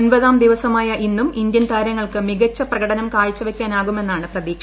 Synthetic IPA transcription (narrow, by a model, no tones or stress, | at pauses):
nbɐðaːmd̪iʋɐsɐmaːjɐʔinːumind̪jɐnt̪aːɾjɐŋːɐɭkɨmiɣɐt͡ɕːɐprɐɣɐɽɐnɐmkaːɻt͡ɕːɐʋekʲːaːnaːɣume̞nːaːɳɨprɐðiːʂ